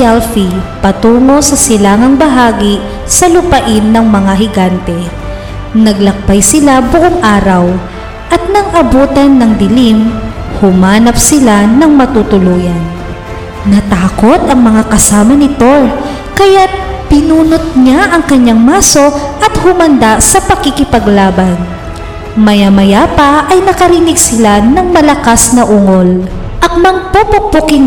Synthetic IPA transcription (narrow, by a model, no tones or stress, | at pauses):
ɛlfipɐt̪uːŋo̞sɐsɪlaːŋɐŋbɐɦaːɡi | sɐlʊpɐʔɪnːɐŋmɐŋaɦɪɡant̪ɛ | nɐɡ̚lɐk̚bajsɪlabʊʔoŋʔaːɾɐw | ʔɐt̪̚nɐŋʔɐbuːt̪ɐnːɐŋd̪ɪlim | hʊmaːnɐpsɪlanɐŋmɐt̪ut̪ʊluːjɐnː | ɐt̪aːko̞t̪ɐŋmɐŋakɐsaːmɐnɪt̪o | kɐjat̪̚pɪnuːnot̪̚ɲaʔɐŋkɐɲaŋmaːso̞ʔɐt̪̚hʊmɐnd̪asɐpɐɡɪkɪpɐɡlaːbɐn | mɐjamɐjapɐʔɐjnɐkɐɾiːnɪɡsɪlanɐŋmɐlɐkasnɐʔʊŋol | ʔɐt̚mɐŋpopʊpokɪŋ